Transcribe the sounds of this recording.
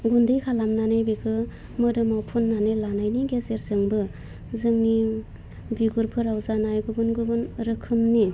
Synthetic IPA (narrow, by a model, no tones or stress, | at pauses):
ɡundɯjkʰalamnanebikʰɯ | mɯdɯmawpʰunːanelanajniɡezeɾzɯŋbɯ | zɯŋni | biɡuɾpʰɯɾawzanajɡɯbɯnɡubɯnɾɯkʰɯmni